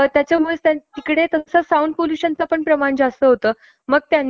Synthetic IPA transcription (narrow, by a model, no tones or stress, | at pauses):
t̪jat͡ɕjamuɭet̪jat̪ikɽet̪əsasauɳɖ̚poluɕənt͡sapəɳpɾəmaɳd͡zast̪əɦot̪əː | məɡ̚t̪janː